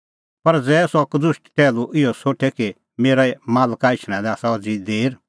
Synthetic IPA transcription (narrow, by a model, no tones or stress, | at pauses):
pɐɾd͡zɛːsɔkd̪ʊʃʈʈɛːluʔɪɔsoːʈʰɛki | meːɾaɛmaːlkaɪt͡ʃʰɽ̃ãlɛaːsaɔd͡zid̪eːɾ